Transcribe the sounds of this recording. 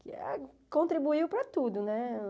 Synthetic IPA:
kɪɛ̰ | kõnt̪ɾibuiwpɾɐt̪ud̪ʊnɛ

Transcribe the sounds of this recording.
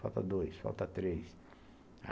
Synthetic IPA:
awt̪ɐ̰d̪ojsfa̰wt̪ɐt̪ɾejs | a̰

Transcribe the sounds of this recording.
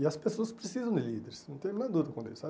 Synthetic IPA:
ɪɐspesoɐspɾesizɐ̃w̃d̪ɪlid̪eɾɪsnɐ̃w̃t̪ẽj̃m̃ɐd̪ud̪ɐkõd̪ḛsa

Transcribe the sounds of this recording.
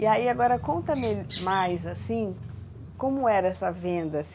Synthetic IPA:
iaiaɡɔɾɐkõnt̪ɐmemajzasĩ | kõmʊɛɾɐɛsɐvẽnd̪ɐːs

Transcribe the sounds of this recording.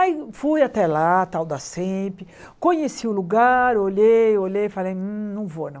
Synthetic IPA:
ajfujat̪ɛlat̪awd̪asẽpɾɪ | kõɲesiʊluɡaɾoʎejolʎejfalej̩nɐ̃w̃vonɐ̃

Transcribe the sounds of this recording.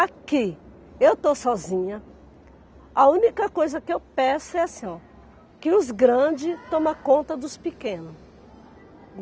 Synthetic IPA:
aki | ewt̪osɔzĩɲɐ | ɐũnikɐkojzɐkɪewpẽsʊɛasĩɔ̃ | kɪʊzɡɾɐ̃d͡ʒɪt̪õmɐkõnt̪ɐd̪ʊspikẽnʊs

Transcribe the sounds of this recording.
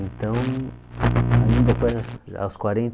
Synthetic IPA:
ẽnt̪ɐ̃w̃ | aĩnd̪akoza̰wskwaɾẽnt̪

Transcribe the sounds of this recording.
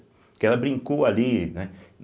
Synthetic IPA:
kɛlɐbɾĩŋkowalinɛ

